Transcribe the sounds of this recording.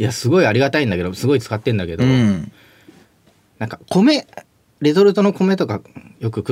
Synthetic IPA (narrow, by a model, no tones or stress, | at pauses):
iasɨɡo̞iaɾʲiɡat̪aĩnd̪ake̞d̪osɨɡo̞it͡sɨ̥kat̪ːẽ̞nd̪ake̞d̪o | nãŋkakʰo̞me̞ | ɾe̞zo̞ɾɯ̟t̪o̞no̞ko̞me̞t̪o̞kajo̞kɯ̟kɯ